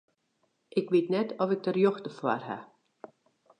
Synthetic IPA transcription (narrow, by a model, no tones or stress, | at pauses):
ʔɪkʋitnɛtʰɔfɪk̚dərjoxtəfwa̰rɦa̰